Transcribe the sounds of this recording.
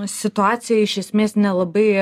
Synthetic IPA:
sʲɪt̪ʊɑːsʲɪjɛɪʃʲɛsʲmʲeːsnʲɛlˠɐbɐɪ

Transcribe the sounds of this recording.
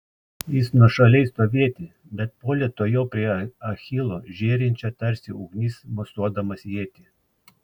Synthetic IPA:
jɪsnuɔʃɐlʲɛɪst̪oːʋʲiɛt̪ʲɪ | bʲɛt̪̚poːlʲiɛt̪oːjɛʊpʲɾʲiɛɐxʲɪlˠoːʒʲeːɾʲɪnʲt͡ʃʲɛt̪ɐɾʲsʲɪʊːɡnʲiːsmɔst̪uɔd̪ɐmɐseɛt̪ʲi

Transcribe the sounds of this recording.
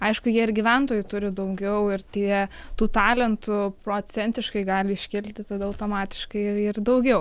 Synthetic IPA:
ɐɪʃkʊjiɛɪɾɡʲiʋʲɛnt̪oːjʊt̪ʊɾʲɪd̪ɐʊɡʲɛʊɪrt̪ʲiɛt̪uːt̪ɑːlʲɛnt̪ʊpɾoːt͡ssʲɛnʲt̪ʲɪʃkɐɪɡɑːlʲɪɪʃʲkʲɪlʲt̪ʲɪt̪ɐd̪ɐɐʊt̪oːmɑːt̪ʲɪ̥ʃkɐɪɪɪrd̪ɐʊɡʲɛʊ

